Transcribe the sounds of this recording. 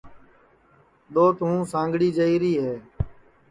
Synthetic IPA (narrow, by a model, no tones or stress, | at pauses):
ɗ̪oːt̪ɦũːsãːŋɡɽiːd͡ʒəiːɾiːɦeː